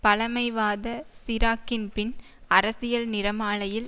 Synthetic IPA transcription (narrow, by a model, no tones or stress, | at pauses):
pɐlɐmɐɪʋaːðɐsɪɾaːkːɪnpɪn | ɐɾɐsɪjɐlnɪɾɐmaːɭɐjɪl